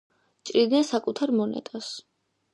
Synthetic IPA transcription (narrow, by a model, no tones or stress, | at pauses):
t͡ʃʼɾid̪nɛnsakʼut̪ʰaɾmɔnɛ̰t̪ʼas